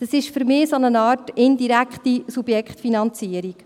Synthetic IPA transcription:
d̥ɑsɪʃfʏɾmɪːsɔnənɑːrtɪndiɾækχtisub̥jɛkχtfinɑnt͡siəɾik

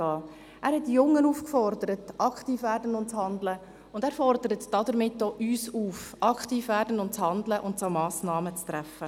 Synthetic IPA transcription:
ɑː | æːɾhɛtdijʊŋːənuːfkfɔrdəɾətʔɑkʰtiːfʋæːɾdənʊntt͡shɑndlə | ʊndæːɾfɔrd̥əɾətd̥ɑdəɾmɪtːoʔyːsuːfʔɑkχtiːfʋæːɾdənʊntt͡shɑnd̪ləʔʊntt͡somɑːsnɑːmət͡st̪ɾæfə

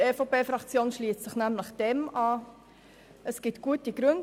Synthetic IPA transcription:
efopeːfɾɑkt͡sjoːnʃliːst͡sɪχnæmləχd̥ɛmɑː | əsɡ̥ɪtɡ̥uətəɡ̥ɾʏnd

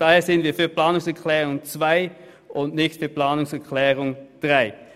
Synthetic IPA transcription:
d̥aːheːɐz̥ɪəndviːɐfyːɐplaːnʊŋsɛɐkʰlɛːʁʊŋt͡sv̥aɪ | ʔʊndnɪçtfyːɐpl̥aːnʊŋsɛɐkʰlɛːʁʊŋd̥ʁaɪ

